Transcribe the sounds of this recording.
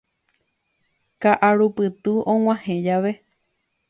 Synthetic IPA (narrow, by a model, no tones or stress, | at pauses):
kaʔaɾupɨt̪ɨõw̃ʷãhẽd͡ʒaʋe̞